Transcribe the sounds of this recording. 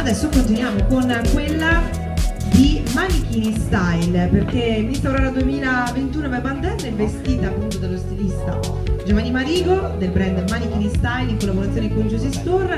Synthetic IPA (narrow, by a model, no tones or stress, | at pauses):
ad̪ɛsːokont̪̬inwjaːmokonkwelːa | d̪imanikinist̪ajlperkelminist̪ɾaɾaɾad̪uemiːlavent̪uːnovajband̪ɛnːɛvːest̪iːt̪aːpːunt̪od̪alːost̪ilist̪a̰ | d͡ʒovanːimaɾiːɡod̪elpɾɛnd̪eɾmanik̟inist̪ajliŋkolːaboɾat̪sjoned̪ikond͡ʒoːzist̪orː